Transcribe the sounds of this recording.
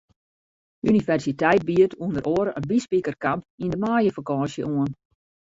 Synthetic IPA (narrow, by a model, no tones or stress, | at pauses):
ynifɛrsitɛjt̚biətʰuəndəɾʔoəɾəʔənbispikərkampindəmaːjəfakɔ̃ːsjə̰ʔuən